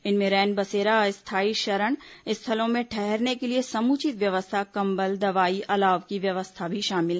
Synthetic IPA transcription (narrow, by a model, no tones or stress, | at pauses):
ɪnmẽɾɛːnbɐseːɾaɪst̪ʰaːiʃɐɾəɽ̃ɪst̪ʰɐəlõmẽʈʰɛɦɛɾnekeliesɐmuːt͡ʃɪt̪ʋjɐʋəst̪ʰakɐ̃mbəld̪ɐʋaːiʔɐlaːʋkiʋjɐʋəst̪ʰabʱiʃaːmɪl